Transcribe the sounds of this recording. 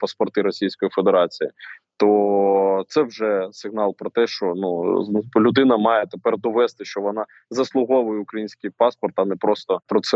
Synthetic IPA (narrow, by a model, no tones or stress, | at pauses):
pɐspɔrt̪ɪɾɔsʲijsʲkɔjifed̪eɾɑt͡sʲijit̪ɔ | t̪sɛwʒɛsɪɣnɑlˠpɾɔt̪ɛʃt͡ʃɔnuzlʲʊd̪ɪnɐmɑjɛt̪epɛrd̪ɔʋɛst̪ɪʃt͡ʃɔʋɔnɑ | zɐslˠʊɦɔʋʊjɛʊkɾɐjinʲsʲkɪjpɑspɔrt̪ɐnɛpɾɔst̪ɔpɾɔt̪sɛ